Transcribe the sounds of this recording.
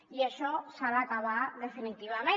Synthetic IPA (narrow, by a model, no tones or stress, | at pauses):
jeʃosaɾakaβaðefinit̪iβame